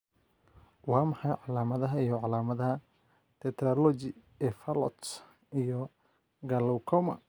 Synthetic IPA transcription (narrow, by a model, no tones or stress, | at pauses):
wɑːmɑħɑjʕɑlaːmɐðɐɦɐijɔʕɑlaːmɐðɐɦɐ | t̪ʰɛt̪ɾɔlɔt͡ʃɪ | ɛfɐlɔ̰t̪ | ijɔ | ɡɐlɔwkʰɔmɐ̰